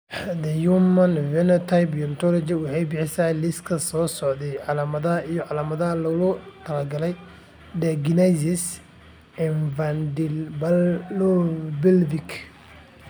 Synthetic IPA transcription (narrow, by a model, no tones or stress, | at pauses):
d̪ɐjumɐnvɛnɔt̪ʰajpjɔnt̪ʰɔlɔd͡ʒiwɑħɑjbɪħɪsɐlɪskʰɐsɔːsɔʕd̪ɛjʕɑlaːmɐðɐɐijɔʕɑlaːmɐðɐɦɐlɐlʊt̪ʰɐlɐrɡɐlɛj | d̪ɛɡnɛsɪs | ɪnvand | bɪlvɪk